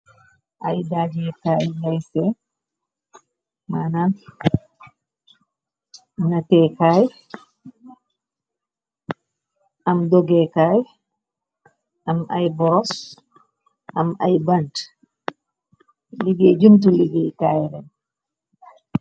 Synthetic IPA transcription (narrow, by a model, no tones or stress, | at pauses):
ʔajdaːd͡ʒɛkajjajsɛ | mana | natɛkaːj | ʔamdɔɡɛkaj | amʔa̰jbɔɾɔs | ʔamʔa̰jbant | liɡɛd͡ʒumt̬uliɡɛjkajɾɛn